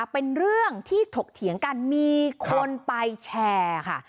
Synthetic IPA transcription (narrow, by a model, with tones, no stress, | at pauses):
pe˧nɾɯ˥˩əŋt̪ʰiː˥˩t̪ʰo˨˩k̚t̪ʰi˩˦əŋka˧nmiː˧kʰo˧npa˧jt͡ɕʰɛː˧kʰa̰˥˩